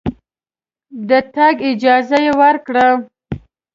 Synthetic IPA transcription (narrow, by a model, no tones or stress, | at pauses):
d̪ət̪aɡɪd͡ʒɑzajewəɾkɽa